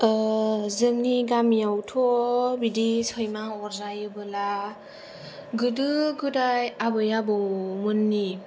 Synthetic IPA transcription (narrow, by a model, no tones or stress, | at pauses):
zɯŋniɡamjawtʰɔbidisʰɔjmaɔɾzajɯbɯla | ɡɯdɯɡɯdajabɯjabɯwmɯnːi